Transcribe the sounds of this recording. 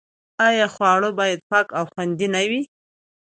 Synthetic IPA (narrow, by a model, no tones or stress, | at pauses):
ajɑxwɑɽobɑjad̪̚pɑkawxwand̪inawi